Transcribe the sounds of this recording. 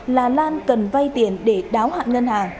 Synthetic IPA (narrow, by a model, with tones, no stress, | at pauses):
laː˨˩laː˧nkə˨˩nva˧jt̪i˨˧˩ənɗe˧˩ɗaː˨˦wha̰ː˧˨nŋə˧nhaː˨˩ŋ